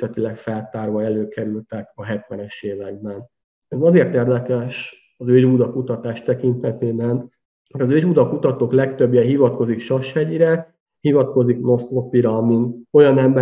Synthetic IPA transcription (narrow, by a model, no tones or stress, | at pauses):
ɛt̪ilɛkfɛlt̪aːrvɒɛløːkɛɾylt̪ɛkɒɦɛt̪ʋɛnɛʃeːvɛɡ̚bɛn | ɛzɒzeːrt̪eːrd̪ɛkɛʃ | ɒzøːʒbud̪ɒkut̪ɒt̪aːʃt̪ɛkint̪ɛt̪eːbɛn | hojɒzøːʒbud̪ɒkut̪ɒt̪oːklɛkt̪øbjɛɦivɒt̪̚ko̞zikʃɒʃhɛɟiɾɛ | hivɒt̪̚ko̞zikno̞so̞piɾɒmint̪o̞jɒnɛmbɛ